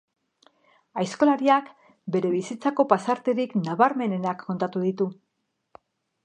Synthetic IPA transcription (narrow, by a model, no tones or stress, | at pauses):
ajsko̞laɾiak | be̞ɾe̞βisit͡sako̞pasaɾt̪e̞ɾiknaβaɾme̞ne̞nakʰːo̞nt̪at̪uðit̪u